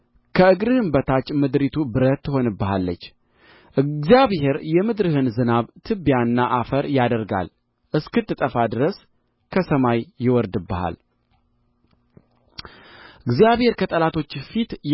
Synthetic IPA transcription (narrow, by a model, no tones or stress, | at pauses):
kʰəɨɡɾɨhɨmbət̪ʰat͡ʃːmɨd̪ɾit̪ʰubɨɾət̪ːɨɦo̞nɨbːəɦalːə̰t͡ʃː | ʔɨzijaβhe̞ɾjɛmɨd̪ɾɨhɨnzɨnaβt̪ʰɨbːjanːaʔafəɾjad̪əɾɡa̰l | ʔɨskɨt̪ʼːɨt̪ʼəfad̪ɨɾəs | kʰəsəmajːɪwɔɾd̪ɨbːəha̰l | ʔɨɡzjaβhe̞ɾkʰət̪ʼəlat̪ʰo̞t͡ʃːfit̪j